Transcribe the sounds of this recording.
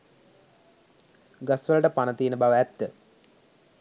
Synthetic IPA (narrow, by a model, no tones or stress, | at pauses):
ɡɐsʋəlɐʈəpanət̪iːnəbaʋəæt̪ːə